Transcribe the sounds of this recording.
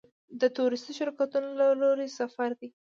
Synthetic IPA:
d̪ət̪oɾɪst̪iʃɪɾkat̪unolaloɾesafaɾd̪i

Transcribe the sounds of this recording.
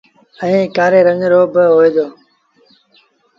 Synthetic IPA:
ə̃ĩːkaːɾeːɾə̃ŋɾoːbɪɦoːeːd̪oː

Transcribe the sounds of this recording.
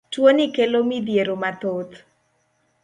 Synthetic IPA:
twonikelomid̪jeɾomat̪ot̪

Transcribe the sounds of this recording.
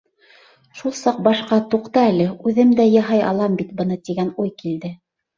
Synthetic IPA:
ʃulˠsɑq̚bɑʃqɑt̪uqt̪ɤælɘʉðɘmd̪æjɑɦɑjɑ̰lˠɑmbit̪bɤ̆nɤt̪iɡænujkild̪ɘ

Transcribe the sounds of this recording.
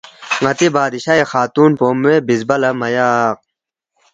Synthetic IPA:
ŋɐt̪ibaːd̪iɕaexaːt̪uːnpoːmweːbizbɐlɐmɐjaːq̚

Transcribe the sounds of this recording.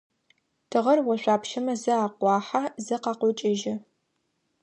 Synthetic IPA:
tʰɨʁɐrwɐʃʷaːpʃɐmɐzɨaːqʷɑːħazɨqɑːqʷʊt͡ʃʼɐʒɐ

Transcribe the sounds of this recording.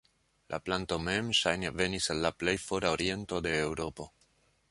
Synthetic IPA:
lʔa̰planto̞me̞mʃajneve̞nisalːaple̞jfo̞ɾaoɾie̞nto̞de̞ːwɾo̞po̞

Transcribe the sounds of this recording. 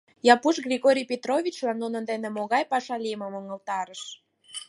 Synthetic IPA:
jɑpuʃɡrʲiɣoɾʲijpʲet̪rovʲit͡ɕlɑnːunənd̪enĕmoɣɑjpɑʃɑlʲiməmoŋəlt̪ɑɾəʃ

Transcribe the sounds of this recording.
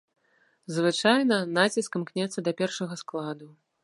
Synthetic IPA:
zvɨt͡ʂajnɐnat͡sʲiskɐmknʲɛt̪sːɐd̪ɐpʲɛrʂɐɣɐsklˠad̪u

